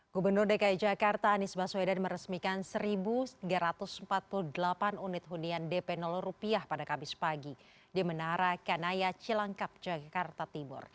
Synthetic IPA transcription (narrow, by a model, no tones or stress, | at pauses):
ɡubərnʊrdekaid͡ʒakart̪aːnɪsbasuwedanməɾəsmikansəɾibut̪iɡaɾat̪ʊsəmpat̪̚puluhdəlapanunɪt̪̚ɦuniandɛpɛnɔlɔrupiahpadakamɪspaɡi | diamənaɾakanajat͡ʃilaŋkap̚d͡ʒakart̪at̪imʊ̰r